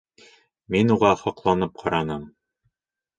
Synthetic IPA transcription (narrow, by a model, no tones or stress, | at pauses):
minuʁɑhɑqlˠɑnɤp̚qʰɑɾɑnɤm